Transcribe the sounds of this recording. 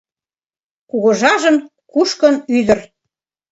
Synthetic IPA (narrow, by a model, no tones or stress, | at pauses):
kuɣŏʒɑʒən | kuʃkənyðə̆r